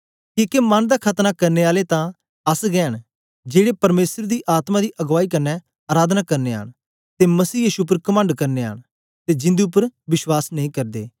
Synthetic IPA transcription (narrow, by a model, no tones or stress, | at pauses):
kiːkemɐnd̪aːkʰɐt̪nakɐɾneaːlet̪ã | ɐsɡɛːəɽ | d͡ʒeːɽepɐɾmeːsəɾd̪iʔaːt̪mad̪iʔɐɡʋaːikɐɾnɛ | aːɾaːd̪nakɐɾnea̰ːɳ | t̪emɐsiːjiːʃup̬əɾkɐmə̃ɳɖkɐɾnea̰ːɽ | t̪ed͡ʒɪ̃nd̪iʊpːəɾʋɪswaːsnəɦĩːkɐɾd̪ḛː